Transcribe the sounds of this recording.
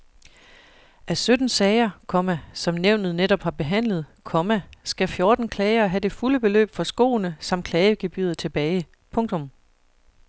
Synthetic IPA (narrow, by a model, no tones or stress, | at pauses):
ʔæsød̥n̩sɛɪɐkʰɒ̽mæsɒ̽mneʊnð̞̩ˠneɾ̥ɒ̽b̥hɑ̈b̥e̝ɦæn̰lð̞̩ˠkʰɒ̽mæsɡ̥æfjo̝ɐd̥n̩kʰlɛɪɐɦæd̥e̝fuləb̥e̝lø̰ːb̥fɒ̽sɡ̥o̝̰ːnəsɑ̈m̰d̥̚kʰlɛːɪəɡ̥e̝b̥y̰ːð̩ˠt͡sʰe̝b̥ɛːɪ | pʰɔ̽ŋt͡sʰɔ̽m